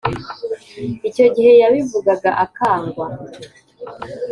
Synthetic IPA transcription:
ico̞ɟihe̞jaβivuɡaɡaʔakaːŋɡwa

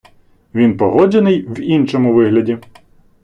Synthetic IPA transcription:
ʋʲinpɔɦɔd͡ʒenɪjwinʃɔmʊʋɪɦlʲɐdʲi

